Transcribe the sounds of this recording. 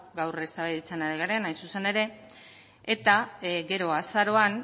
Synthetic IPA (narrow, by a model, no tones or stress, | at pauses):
ɡawre̞st̪aβiðit͡se̞naɾiɣaɾe̞najnsuse̞ne̞ɾe̞ː | t̪aɡe̞ɾo̞asaɾo̞an